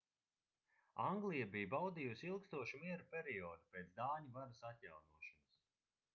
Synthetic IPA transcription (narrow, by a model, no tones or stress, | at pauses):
aŋɡlˠijabijbawd̪iːjusʲilˠkst̪uɔʃimiɛɾupʲeɾiɔːd̪upeːt̪d̪aːɲivaɾasat̪ʲjawnuɔʃɔnɐs